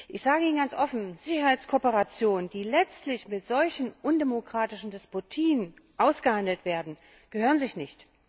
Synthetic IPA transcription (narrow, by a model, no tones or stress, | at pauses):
ʔɪçz̥aːɡəiːnɡant͡sʔɔfn̩z̥ɪçɐhaɪt͡skʰoːpəʁat͡sjoːnənd̥iːlɛt͡stlɪçmɪtz̥ɔlçn̩ʔʊndɛmokʁ̥aːtɪʃn̩dɛspotʰiːən | ʔaʊsɡ̥əhandl̩tv̥eːɐdn̩ | ɡ̥əhøːʁənzɪçnɪçt